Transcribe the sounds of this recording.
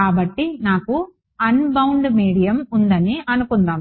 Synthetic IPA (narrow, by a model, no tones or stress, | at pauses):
aːbɐʈːinaːku | ɐnbɐwɳɖmiːɽijɐmund̪ɐniɐnukund̪aːm